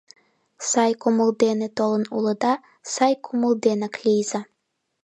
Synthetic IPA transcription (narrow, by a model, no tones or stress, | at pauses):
sɑjkumulˠd̪enɘt̪olˠɤnulˠɤd̪ɑ | sɑjkʰumulˠd̪enaklʲijzɑ